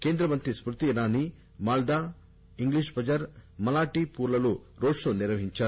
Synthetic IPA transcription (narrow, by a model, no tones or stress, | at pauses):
keːnd̪ɾɐmɐnt̪ɾispɾut̪inaːni | maːld̪aː | iŋɡliʃbʱɐd͡ʒɐɾmɐlaːʈipuːɾlɐluɾoːʂuniɾʋɐɦiɲt͡ʃaː